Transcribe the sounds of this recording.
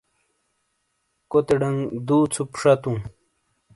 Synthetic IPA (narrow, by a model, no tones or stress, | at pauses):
kot̪eɖɐŋd̪uːt͡sʰupʂat̪ũ